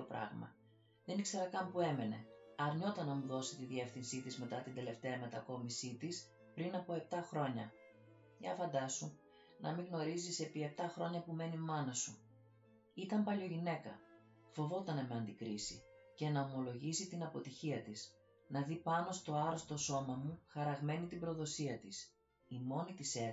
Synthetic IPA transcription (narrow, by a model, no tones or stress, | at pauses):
opɾɐ̰ɣmɐ̰ | ðe̞nikse̞ɾɐkɐmpue̞me̞ne̞̰ɐɾɲo̞t̪ɐnɐmuðo̞sit̪iðie̞fθinsit̪izme̞t̪ɐt̪ind̪e̞le̞ft̪e̞ɐme̞t̪ɐko̞misit̪is | pɾinɐpo̞e̞p̚t̪ɐxɾo̞ɲɐ | jɐfɐnd̪ɐsu | nɐ̰miɣno̞ɾizise̞pie̞pt̪ɐxɾo̞ɲɐpume̞nimɐnɐsu | it̪ɐmpɐʎoʝine̞kɐ | fo̞vo̞t̪ɐnɐme̞ɐnd̪ikɾisice̞nɐomo̞lo̞ʝisit̪inɐpo̞t̪içiɐt̪is | nɐðipɐno̞st̪o̞ɐɾo̞st̪o̞so̞mɐmuxɐɾɐɣme̞nit̪ibɾo̞ðo̞siɐt̪is | imo̞nit̪ise